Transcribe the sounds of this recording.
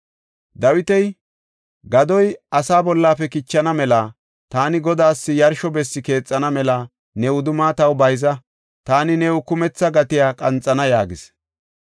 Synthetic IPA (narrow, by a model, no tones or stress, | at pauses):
d̪ɐwɪt̪ɛj | ɡɐd̪ɔjɐsaːbɔlːaːpɛkɪt͡ʃːɐnɐmɛla | t̪aːnɪɡɔd̪aːsːɪjɐɾʃɔbɛsːɪke̞ːt͡sʼːɐnɐmɛlɐ | nɛʊd̪ʊmaːt̪ɐwbɐjzɐ | t̪aːnɪnɛwʊkʊmɛt͡sːɐɡɐt̪ɪjaːkʼɐnt͡sʼːɐnɐjaːɡɪs